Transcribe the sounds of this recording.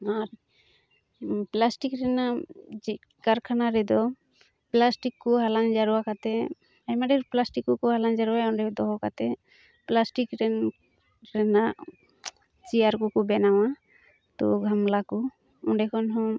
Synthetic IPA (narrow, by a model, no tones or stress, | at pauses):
aɾ | plasʈikɾɛnad͡ʒ | kaɾkʰanaɾɛd̪ɔ | plasʈikːɔɦalaŋd͡ʒaɾuakat̪ɛ | ajmaɖɛɾplasʈikːɔkɔɦalaŋd͡ʒaɾuwaɔɳɖɛd̪ɔɦɔkat̪ɛ | plasʈikɾɛn | ɾɛna | t͡ʃijaɾkukɔbɛnawa | t̪ɔ̰ɡʱamlaku | ɔɳɖɛkʰɔnɦɔ̃